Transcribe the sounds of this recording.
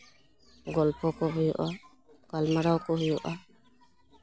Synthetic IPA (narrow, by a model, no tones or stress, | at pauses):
ɡɔlpɔkɔbijɔ̰ʔɔ | kalmaɾawkɔɦijɔʔa